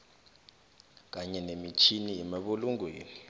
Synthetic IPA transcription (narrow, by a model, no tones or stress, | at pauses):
k̬aɲɛnemit͡ʃʰiniːmiɓuluŋɡʱweːni